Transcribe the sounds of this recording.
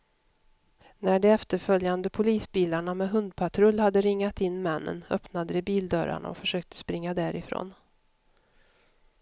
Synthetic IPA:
næɖɛɛft̪əɾfœljand̪əpʰʊliːsbiːlaɳamɛɦɵnd̪̚pʰat̪ʰɾɵlːhad̪ːəɾɪŋːat̪ɪnːmɛnːə̰nœ̰pnad̪əd̪ɛbiːld̪œɾa̰ɳa̰ɔ̰fœʂøːk̚t̪ə̥spɾɪŋːad̪æɾɪfɾo̰ːn

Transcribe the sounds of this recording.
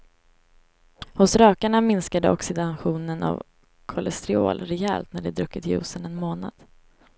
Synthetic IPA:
hʊsɾœːkaɳamɪnskad̪əɔksɪd̪anɧuːnəna̰v | kʰɔlɛst̪ɾɪo̰ːlɾɛɛːlt̪næɖɛd̪ɾɵkːɪt̪jʉ̟ːsənɛnmoːna̰d̪̥

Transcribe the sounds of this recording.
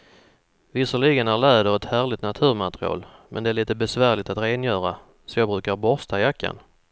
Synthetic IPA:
vɪsɔɭiɡənæɾɭɛːd̪əɾɛt̪hæːɾɭɪt̪nat̪ʰʉ̟ːɾmat̪ɾɪɑ̰ːlmʔɛ̰nd̪ɛæɾɭiːt̪əbɛsvæːɭɪt̪at̪ɾeːnjœːɾa | sɔjɑːɡbɾʉ̟ːkaɾbɔɾst̪ajakːa̰n

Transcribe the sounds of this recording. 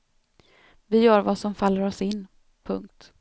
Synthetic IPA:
vɪjœːɾvasɔmfalːəɾɔsɪnː | pʰɵŋk̚t̪

